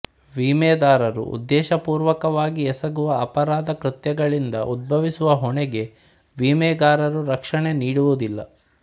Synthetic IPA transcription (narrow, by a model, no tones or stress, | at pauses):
ʋiːmɛːd̪aːɾɐɾṵṵd̪ːɛːʃɐpuːɾʋɐkɐʋaːɡiɛsɐɡuʋɐːpɐɾaːd̪ɐkɾit̪jɐɡɐɭind̪ɐʔud̪̚bʱɐʋisuʋɐɦɔɳɛɡe̞ | ʋiːmɛːd̪aːɾɐɾuɾɐkʂɐɳe̞niːɽuʋud̪ilːɐ̰